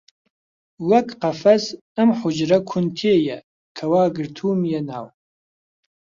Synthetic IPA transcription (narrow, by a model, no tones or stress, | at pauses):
wɐkʼʰqafɐs | əmħʊd͡ʒɾɐkʷʰʊntʰeːjɛ | kʰɐwaːɡɨrtʰuːmjɛna̰ːw